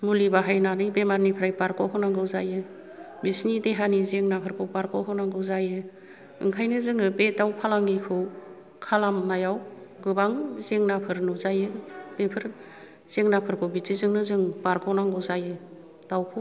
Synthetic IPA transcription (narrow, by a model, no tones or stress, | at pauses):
mulibaɦajnanɯjbemaɾnipʰɾajpaɾkʰɔwɦɯnaŋɡɯwzajɯ | bisnideɦanizeŋnapʰɯɾkʰɔwpaɾkʰowɦɔnaŋɡɯwzajɯ | ɯŋkʰajnɯzɯŋɯpetawpʰalaŋɡikʰɯ | kʰalamnajawɡɯbaŋzeŋnapʰɯɾnɯzajɯbepʰɯɾ | z̥eŋnapʰɯɾkʰɯbitizɯŋnɯzɯŋpaɾkʰɔwnaŋɡɯwzajɯ | dawkʰɔ